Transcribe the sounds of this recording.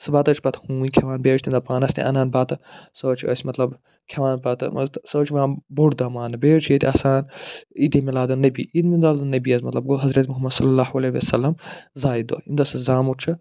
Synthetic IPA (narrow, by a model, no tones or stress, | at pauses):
sɐbaːt̪ɐt͡ʃʰpɐt̪ʰhũːĩkʲʰeʋaːnbeːt͡ʃʰt̪imd̪ɐpaːnɐst̪ʲḛ̃ʔɐ̰naːnbaːt̪ɨsɐt͡ʃʰiɐ̰sʲmɐt̪lɐb | kʰɐʋaːnpɐt̪sɐt͡ʃʰiʋãːnboʈd̪ɐmaːnɐbeːt͡ʃʰjet̪ʰʲɐsaːnid̪imilaːd̪ɐnɐbiːimind̪aːld̪ɐnɐbiɐzmɐt̪lɐb̚ɡoɦɐzɾɐt̪ʲmuɦɐmːɐd̪sɐlːɐlːaːɦɐleʋɐ̰sɐlːɐmzaːjid̪o̰ind̪ɐsɐzaːmut͡ʃʰɐ